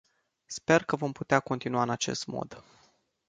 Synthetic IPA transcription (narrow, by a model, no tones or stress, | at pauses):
spe̞rkəvo̞mput̪eako̞nt̪inuaɨnat͡ʃe̞̰st̪mo̰d̪